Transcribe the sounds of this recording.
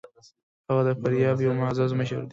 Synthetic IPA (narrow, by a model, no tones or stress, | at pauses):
haɣad̪əfaɾjɑbjawmazɑzməʃə̰ɾd̪i